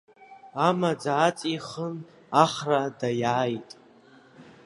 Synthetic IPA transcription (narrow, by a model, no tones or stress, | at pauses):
amad͡zaːt͡sʼiχən | aχradajaːjtʼ